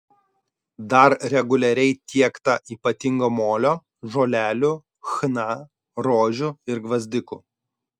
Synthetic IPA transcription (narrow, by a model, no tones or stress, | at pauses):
d̪ɐɾɾʲɛɡʊlʲɛɾʲɛɪt̪ʲʰiɛkt̪ɐʔiːpɐt̪ʲɪŋɡoːmoːlʲoː | ʒoːlʲæːlʲʊ | xnɐ | ɾoːʒʲʊɪɾɡʋɐzʲd̪ʲɪkʊ